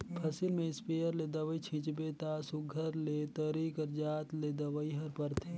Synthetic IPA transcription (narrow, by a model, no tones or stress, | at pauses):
pʰɐsɪlmẽɪspejəɾled̪ɐʋəit͡ʃʰɪ̃t͡ʃbet̪asʊɡʱəɾlet̪əɾikəɾd͡ʒaːt̪led̪ɐʋəiɦɐɾpɐɾt̪ʰe